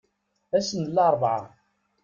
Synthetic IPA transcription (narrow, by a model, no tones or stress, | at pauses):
æsənlːɑɾˤbʕa̰